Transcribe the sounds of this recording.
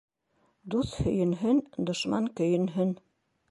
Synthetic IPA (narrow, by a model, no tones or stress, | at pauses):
d̪uθhɵ̆jɵ̆nɦɵnd̪ŏʃmɑŋkɵ̆jɵ̆nɦɵn